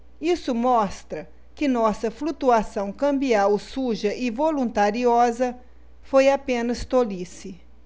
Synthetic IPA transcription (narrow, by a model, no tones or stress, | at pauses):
isʊmɔst̪ɾɐ | kɪnɔsɐflut̪uasɐ̃w̃kɐ̃mbiawsuʒɐʔɪvolũnt̪aɾiɔzɐ | fojapẽnɐst̪olisɪ